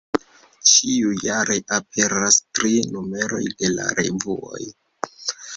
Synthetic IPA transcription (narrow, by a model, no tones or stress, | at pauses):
t͡ʃiujaɾʔe̞ʔap̚ʰe̞ɾastɾinume̞ɾo̞̰jde̞la̰ɾe̞̰vuo̞̰j